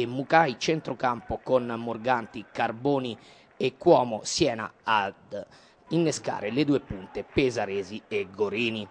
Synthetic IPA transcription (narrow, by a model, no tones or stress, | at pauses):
emːukait͡ʃɛnt̪ɾokampokonːoɾɡant̪ikaɾboːni | ekːwɔːmɔsjɛːna̰ad̪ | inːeska̰ːɾeled̪uːepunt̪epezaɾeːziɛɡːoɾiːni